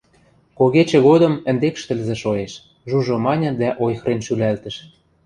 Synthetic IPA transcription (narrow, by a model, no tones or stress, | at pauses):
koɣet͡ɕĕɣod̪ɤ̆mə̆nd̪ekʃt̪ə̆lzĕʃoeʃ | ʒuʒɤ̆mɑnʲɤ̆d̪æʔojxɾenʃylælt̪ə̆ʃ